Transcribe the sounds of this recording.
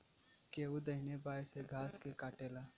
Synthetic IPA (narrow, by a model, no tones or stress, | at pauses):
keːud̪ɐɦɪnebaːseɡʱaːskekaːʈeːlaː